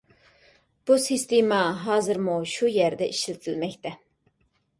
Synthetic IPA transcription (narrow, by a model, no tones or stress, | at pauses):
b̥usist̪emɑɦɑːzɨɾmuʃujæɾd̪ɛʔiʃlɪt̪ʰilmɛcʲt̪ʰɛ